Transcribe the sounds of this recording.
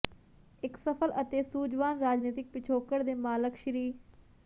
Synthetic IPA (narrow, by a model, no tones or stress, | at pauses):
ɪksəpʰələt̪eːsuːd͡ʒʋaːnɾaːd͡ʒniːt̪ɪk̚pɪt͡ʃʰoːkəɽd̪eːmaːləkʃəɾiː